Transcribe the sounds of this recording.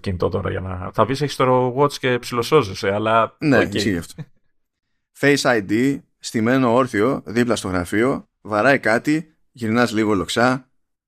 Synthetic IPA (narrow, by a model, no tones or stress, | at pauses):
cinit̪o̞t̪o̞ɾɐ̰ʝɐ̰nɐθɐviseçi̥st̪oɾoɣot͡sce̞psilo̞so̞zeseɐlɐneisçiʝɐft̪o | fe̞jsɐjd̪i | st̪ime̞no̞o̞ɾθio̞ðiplɐst̪o̞ɣɾɐfio̞ | vɐɾɐjkɐt̪i | ʝiɾnɐzliɣo̞lo̞ksɐ